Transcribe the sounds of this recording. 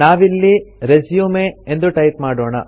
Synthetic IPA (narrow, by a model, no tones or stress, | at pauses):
aːʋilːiɾesjuːmeend̪uʈɐjt̪̚maːɽoɔːɳɐ̰